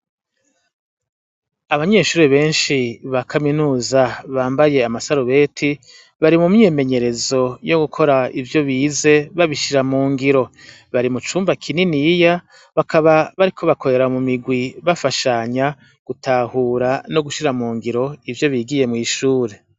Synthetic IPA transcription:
aβaɲe̞ːʃuːɾeβe̞ːnʃiβakʰaminuːzaβaːmbaje̞amasaɾuβe̞ːtʰi | βaɾimumɲeme̞ɲe̞ɾe̞zo̞jo̞ɡukʰo̞ɾaivjo̞βiːze̞βaβiʃiɾamuːŋɡiɾo̞ | βaɾimut͡ʃuːmbakʰininija | βakʰaβaβaɾikʰo̞βakʰo̞ɾe̞ɾamumiɡwiβafaʃaɲa | ɡ̥utʰahuːɾano̞ɡuʃiɾamuːŋɡiɾo̞ivjo̞βiːɡije̞mŋiːʃuːɾe̞

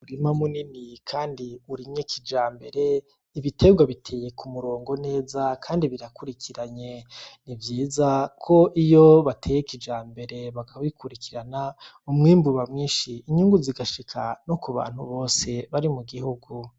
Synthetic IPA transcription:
uɾimamuninikʰaːndiuɾimɲekʰid͡ʒaːmbe̞ɾe̞ | iβite̞ɡwaβitʰe̞ːje̞kʰumuɾo̞ːŋɡo̞ne̞ːzakʰaːndiβiɾakuɾikiɾaɲe̞nivjiːzakʰo̞ʔijoβatʰe̞ːjekid͡ʒaːmbe̞ɾe̞βakʰaβaikuɾikʰiɾana | umŋiːmbuβamŋiːʃiːɲuŋɡuziɡaʃikʰano̞kuβa̰ːn̥huβo̞ːse̞βaɾimuɡihuɡu

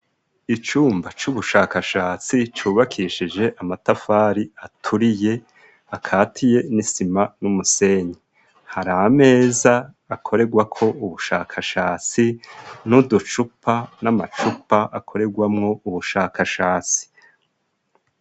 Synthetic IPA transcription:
it͡ʃuːmbat͡ʃuβuʃaːkaʃaːt͡sit͡ʃuːβakʰiːʃid͡ʒe̞ʔamatafaːɾiatʰuɾije̞ | akʰaːtʰije̞nisimanumuse̞ɲe | haɾaame̞ːzaː | kʰo̞ɾe̞ɡwakʰo̞uβuʃaːkʰaʃaːt͡sinudut͡ʃupanamat͡ʃupaʔakʰo̞ɾe̞ɡwamŋo̞uβuʃaːkʰaʃaːt͡si̥

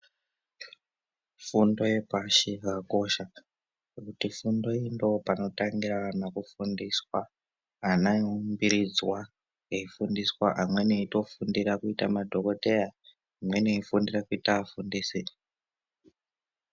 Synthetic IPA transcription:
fundo̞je̞paʃiakaako̞ʃa | ekutifundo̞indo̞pano̞taŋɡiraanakufundiswa | anaumbiɾid͡zwa | eifundiswaʔamwe̞neito̞fundiɾakuita̰madʱo̞ko̞teja | amwe̞neifundirakuitaafundisi

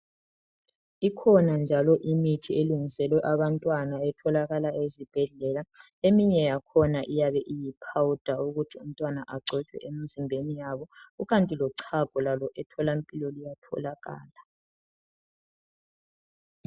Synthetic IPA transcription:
ikʰɔnand͡ʒʱalɔʔimitʰieluŋisɛlwɛʔaβantʼwanaɛtʰɔlaɣalaʔezib̥ʱɛɮɛla | emiɲɛjakʰɔnaʔijaβɛʔijipʰawud̥ʱauɣutʰium̩tʼwanaʔaǀʱɛt͡ʃʰwɛ̰ʔemizimbʱenijaβɔuɣantʼilɔǀʰaɡ̥ʱɔlalɔʔɛtʰɔlampʼilɔlijatʰɔ̰laɣa̰ːla

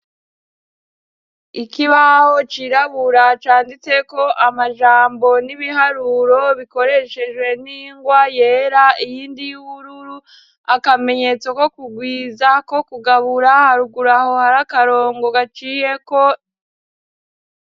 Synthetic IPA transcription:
ikiβaho̞t͡ʃiɾaβuɾat͡ʃaːndit͡se̞ko̞ʔamaʒaːmbo̞niβiɦaɾuɾo̞βiko̞ɾe̞ʃe̞ʒwe̞niːŋɡwaje̞ːɾaijiːndijuβuɾuɾu | akame̞ɲe̞t͡so̞ko̞kuɡwiːzako̞kuɡaβuɾahaɾuɡuɾaho̞haɾakaɾo̞ːŋɡo̞ɡat͡ʃije̞ko̞

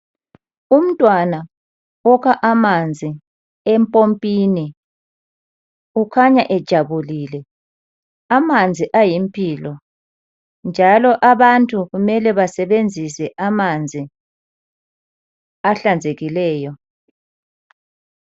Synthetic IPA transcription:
um̩tʼwana | ɔɣʰaʔamand͡zʱi | ɛmpʼompʼiːni | ukʰaɲaʔɛd̥ʒ̥ʱaβuliːlɛ | amand͡zʱiʔajimpʼiːlɔ | nd͡ʒʱalɔʔaβantʼuɣumɛlɛβasɛβend͡zʱisɛʔamand͡zʱi | aɬand͡zʱeɣilɛːjɔ

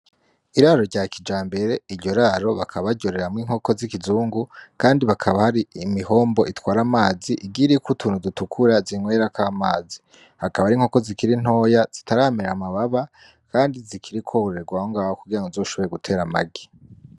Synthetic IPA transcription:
iɾaɾo̞ɾɟaːkid͡ʒaːmbe̞ɾe̞iɾɟo̞ɾaːɾo̞βakʰaβaɾɟoɾe̞ɾamŋiːŋ̥ho̞ko̞zikizuːŋɡukaːndiβakʰaβahaɾiimiho̞ːmbo̞ʔitwaːɾamaːziʔiɡiɾikutʰuːnhudutukʰuɾaziŋwe̞ːɾakaːmaːzi | hakaβaɾiːŋho̞ko̞zikiɾin̥o̞ːjaz̥itaɾameɾamaβaβa | kaːndizikʰiɾikʰohoɾe̞ɾɡwaoŋɡaːhokuɡiɾaŋɡozoːʃo̞βe̞jeɡutʰe̞ːɾama̰ɡi

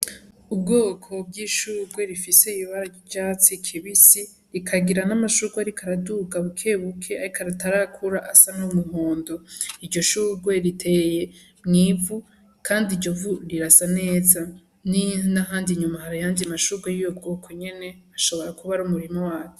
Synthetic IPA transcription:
ubɡo̞ːkʰo̞b̚ɡiːʃuːɡwe̞ɾifise̞iiβaɾa | ɟaːt͡sikʰiβisi | ɾikʰaɡiɾanamaʃuɡwaɾikʰaɾaduɡaβukʰe̞ːβukʰe̞aɾikaɾataɾakʰuɾaʔasanumuhoːndo̞iɾɟo̞ʃuːɡwe̞ɾitʰe̞ːje̞ | mŋiːvu | kʰaːndiɟo̞vuɾiɾasane̞ːza | ninaɦaːndiɲumahaɾijaːndimaʃuɡwejujo̞b̚ɡo̞ːkʰo̞ɲe̞ne̞aʃo̞βo̞ɾakuβaɾumuɾimo̞waːko

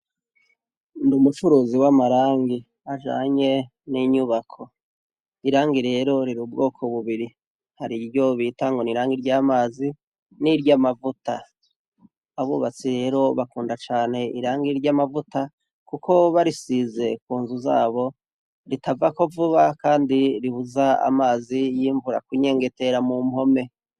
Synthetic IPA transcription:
ndumut͡ʃuɾuːziwamaɾaːŋɡi | aʒa̰ːɲe̞ | niɲuβakʰo̞ | iɾaːŋɡiɾe̞ːɾo̞ɾiɾub̚ɡo̞ːkʰo̞βuβiɾi | haɾiɟo̞βiːtaŋɡo̞niɾaːŋɡiɾɟaːmaːzi | niɾɟamavuta | βuβat͡siɾe̞ɾo̞βakuːndat͡ʃaːne̞iɾaːŋɡiɾɟamavuta | kukʰo̞βaɾisize̞kuːnzuza̰ːβo̞ | ɾitavako̞vuβakaːndiɾihuzaa̰maːzijiːɱvuɾa̰kuɲe̞ːŋɡe̞te̞ɾamumho̞me̞

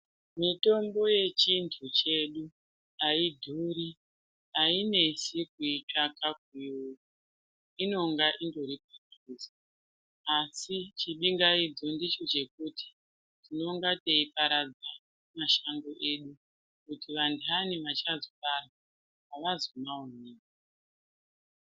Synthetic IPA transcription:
mito̞mbo̞je̞t͡ʃintʰut͡ʃe̞ɗu | aidʱuɾi | aine̞sek̚iit͡ʃakak̚iuku | ino̞ŋɡaʔindo̞ɾip̚atuːsa | asit͡ʃiɓiŋɡaid͡zo̞ndit͡ʃo̞t͡ʃe̞kuti̥ | tino̞ŋɡateipaɾad͡za | maʃaŋɡo̞ʔe̞ɗu | kutiʋanduaniʋat͡ʃazofaraaː | ʋazomaoneːk̚a

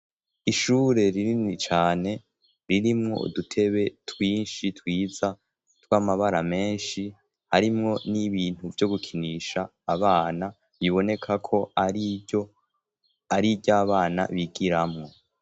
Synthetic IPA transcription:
iʃuːɾe̞ɾiɾinit͡ʃaːne̞ | ɾiɾimŋo̞̰ṵdutʰe̞βe̞twiːnʃitwiːza | twaːmaβaɾame̞ːnʃi | haɾimŋo̞niβiːn̥uvjo̞ɡukʰiniːʃaː | βaːna | βiβo̞ne̞kʰakʰo̞aɾio | aɾibɟaβaːna̰βiɡiɾamŋo̞

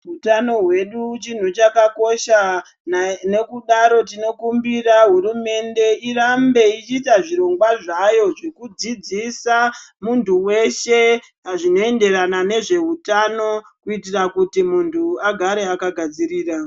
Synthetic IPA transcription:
ɦutano̞ɦwe̞ɗut͡ʃin̤ut͡ʃakako̞ʃa | ne̞kuɗaɾo̞tino̞kumbiraɦuɾume̞nde̞irambe̞it͡ʃiːtaʐiɾo̞ŋɡwaʐajo̞ʐe̞kud͡zid͡zisamuntuwe̞ʃe̞ | ɦaʐino̞e̞nde̞ɾanane̞ʐe̞utano̞ | kuitirakutimuntʰuaɡʱaɾe̞akaɡʱad͡ziɾiːra

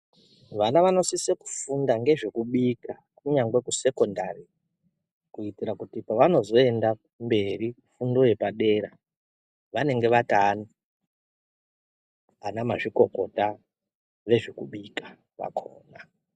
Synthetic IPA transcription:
ʋanaʋano̞siseku̥fundaŋɡe̞ʐekuɓika | kuɲaŋɡwe̞kuse̞ko̞ndari | kuitiɾakutipaʋano̞zo̞e̞nda | mbe̞ɾi | fundo̞je̞paɗe̞ɾa | ʋane̞ŋɡe̞ʋatani | anamaʐiko̞ko̞ta | ʋe̞ʐikuɓikḁ | ʋa̰kʰo̰ːna

